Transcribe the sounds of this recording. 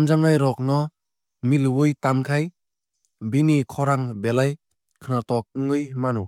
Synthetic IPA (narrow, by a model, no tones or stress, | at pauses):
mzaŋajɾɔk̚nɔ | milwɯjtamkʰaj | binikʰɔɾaŋbelaj | kʰɯnatɔk̚ɯŋɯjmanu